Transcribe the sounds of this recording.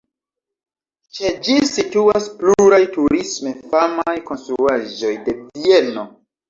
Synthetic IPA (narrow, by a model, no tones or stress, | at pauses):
t͡ʃe̞d͡ʒisituaspluɾajtuɾisme̞famajko̞nstɾuaʒo̞jde̞vie̞no̞